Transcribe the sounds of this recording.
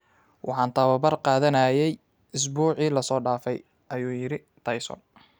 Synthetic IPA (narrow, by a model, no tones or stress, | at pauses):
wʔɑ̰ħɑːnt̪ʰɐβɐbɐrqɑːðɐnɐjɛj | ɪs̬buːʕiːlɐsɔːɖaːfɛj | ʔɐjuːjɪɾɪ | t̪ʰɐjsɔ̰n